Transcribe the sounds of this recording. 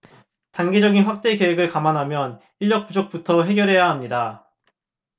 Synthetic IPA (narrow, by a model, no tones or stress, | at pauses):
taŋɡed͡ʑʌɡinɸwak̚t͈e̞ke̞weɡɯɭkamanɦamjʌn | iʎːjʌk̚p͈ud͡ʑok̚p͈utʰʌɦe̞ɡjʌɾɦe̞jaɦamɲida